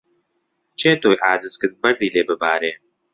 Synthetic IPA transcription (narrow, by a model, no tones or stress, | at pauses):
t͡ʃʰeːt̪oːjʔaːzɨskɨt̪̚bɐɾd̪iːleːbɨbaːɾeː